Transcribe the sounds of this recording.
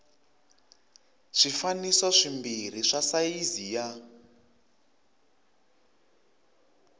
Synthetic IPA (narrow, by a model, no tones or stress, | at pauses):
ʂifanisɔʂimbiɾ̤iʂasaizija